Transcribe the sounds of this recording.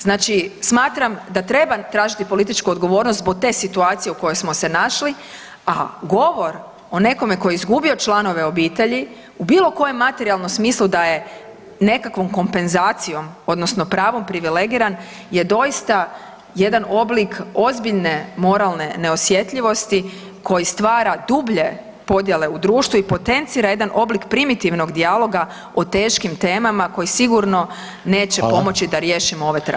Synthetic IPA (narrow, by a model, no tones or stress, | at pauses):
znaːt͡ʃismaːt̪ɾamd̪at̪ɾe̞bat̪ɾaːʒit̪ipo̞lit̪it͡ʃkuod̪ɡo̞ʋo̞ːɾnost̪bo̞ɡ̚t̪e̞ːsit̪uaːt̪sije̞uko̞jo̞jsmo̞se̞naʃli | aɡo̞ʋo̞ɾ | o̞ne̞ko̞me̞ko̞jeizɡubio̞t͡ʃlˠano̞ʋe̞o̞biːt̪e̞ʎi | ubiːlˠo̞ko̞je̞mːat̪eɾialˠno̞msmiːslˠud̪aje̞ | ne̞kakʋo̞mko̞mpe̞nzaːt̪sijo̞mo̞d̪nosno̞pɾaːʋo̞mpɾiʋile̞ɡiːɾan | je̞d̪o̞ist̪a | je̞d̪ano̞bliko̞zbiʎne̞mo̞ɾalˠne̞ne̞o̞sje̞t̪ʎʲiʋo̞st̪i | ko̞jist̪ʋaːɾad̪ubʎe̞ | po̞d̪je̞le̞ud̪ɾuːʃt̪ʋuipo̞t̪e̞nt̪siːɾajed̪anʔo̞blikpɾimit̪iʋno̞ɡd̪ialˠo̞ɡa | ot̪eːʃkimt̪e̞ːmamako̞jisiɡuɾno̞ | ne̞ːt͡ɕepo̞mo̞t͡ɕid̪aɾje̞ːʃimooʋe̞t̪ɾa̰